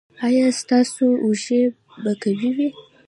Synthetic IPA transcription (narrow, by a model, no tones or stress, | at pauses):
ɑjɑst̪ɑsouʒe | bakawiwi